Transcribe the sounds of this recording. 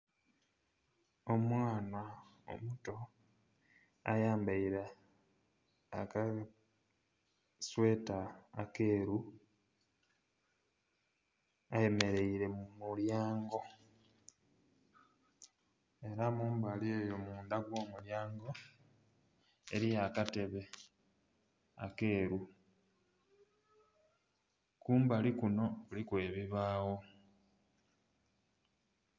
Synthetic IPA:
o̞mwaːna | o̰muto̞ | a̰jaːmbaiɾa | ka | swe̞ːtaːke̞ːɾu | aje̞me̞ɾe̞iɾe̞muljaːŋɡo̞ | e̞ɾamuːmbalie̞jo̞muːndaɡwo̞ːmuljaːŋɡo̞ | eɾijakate̞βe̞ | a̰ke̞ːɾu | kuːmbalikuno̞kulikwe̞ːβiβaːwo̞

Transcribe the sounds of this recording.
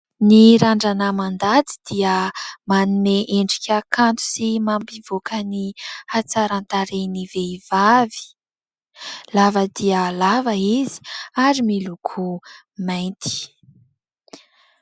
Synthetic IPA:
niɾaɳɖ͡ʐanəmand̪at͡si̥d̪̥iəmanumeʔeɳɖ͡ʐikʲakant̪u̥simambiv̥okʰənihat͡saɾant̪aɾeniveiv̥avi̥ | lavəd̪iəlavəizi̥aɾimilukʰu | majnt̪ʰi̥

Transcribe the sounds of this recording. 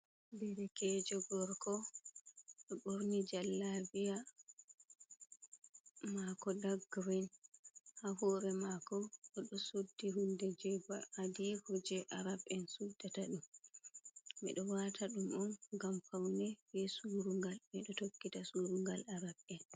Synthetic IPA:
bɛɾɛkɛd͡ʒɔɡɔɾkɔ | ɗɔɓoɾnid͡ʒalːavija | makɔdaɡːwinhaɦɔːɾɛmakɔɔɗɔsudːiɦundɛd͡ʒɛbaadihɔd͡ʒɛʔaɾabɛnsudataɗum | mɛ̰ɗɔwatʰaɗumɔnɡamfawnɛbɛsuɾuŋɡalmɛɗɔtokːitasuɾuŋɡalaɾabɛn

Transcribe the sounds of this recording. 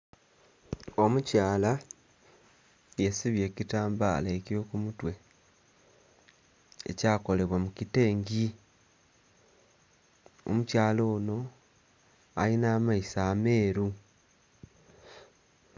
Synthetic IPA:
o̞mucaːla | jesiβje̞ːcitaːmba̰ːlaeco̞kumutwe̞ | e̞̰caːko̞le̞βwamucite̞ːŋɡi | o̰mucaːlo̞ːno̞ | a̰linaːmaisaːme̞ːɾu

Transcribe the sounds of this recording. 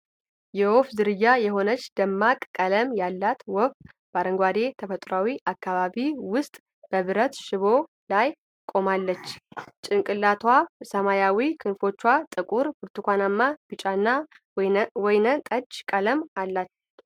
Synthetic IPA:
jɛwɔfzɨɾɨjːajɛɦo̞nət͡ʃːd̪̥əmːakʼkʼələmjalːat̪wɔf | b̥aɾəŋɡʷad̪e̞t̪ʰəfət̪ʼɾawiʔakːaβaβiwʊst̪ʼ | b̥əβɨɾət̪ʃɪβo | laj | kʼo̞malːət͡ʃːt͡ʃʼɪnkʼɨlːat̪ʰwasəmajawikʰɨnfo̞t͡ʃːwat̪ʼɨkʼuɾbɨɾt̪ʰukʷanamːab̥ɨt͡ʃʼanːa | wɔjnət̪ʼəd͡ʒkʼələmalːat͡ʃː

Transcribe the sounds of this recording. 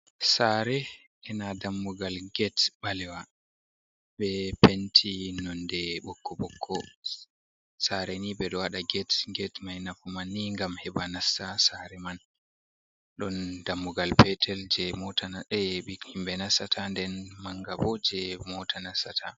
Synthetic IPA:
saːɾɛ | ʔɛnadamːuɡalɡɛtɓalɛwa | ɓɛpentʰinɔndɛɓɔkʰːɔbɔkʰːɔ | saɾɛnibɛɗɔwaɗaɡɛtɡɛtmajnafumanːiŋɡamhɛɓanasasaɾɛman | ɗɔndamːuɡalpɛtʰɛld͡ʒɛmɔtʰanaɛɓihimbɛnasatʰandɛnmaŋɡabɔd͡ʒɛmɔtʰanasatʰa

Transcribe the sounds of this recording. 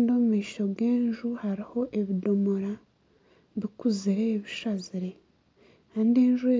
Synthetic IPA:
ndiomumiːʃo̞ɡeːnʒuhaɾiho̞ʔe̞βido̞moɾa | βikuziɾe̞ːβiʃaziɾe̞ | kaːndieːnʒue

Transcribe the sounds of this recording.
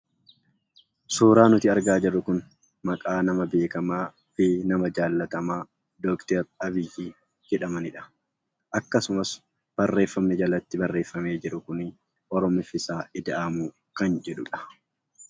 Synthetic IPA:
suːɾaːnʊt̪ɪɐɾɡaːd͡ʒɛrːʊkʊn | mɐkʼaːnɐmɐbe̞ːkɐmaː | fɪnɐmɐd͡ʒaːlːɐt̪ɐmaː | d̪ɔːkt̪ɛɾɐbɪd͡ʒiː | d͡ʒɛᶑɐmɐnɪᶑɐ̥ | ʔɐkːɐsʊmɐs | b̥ɐrːe̞ːfːɐmnɪd͡ʒɐlɐt̪ːɪbɐrːeːfːɐme̞ːd͡ʒɪɾʊkʊnɪ | ʔɔɾɔmɪfɪsaːɪd̪ɐʔɐmʊ | kɐnd͡ʒɛᶑʊᶑɐ̥

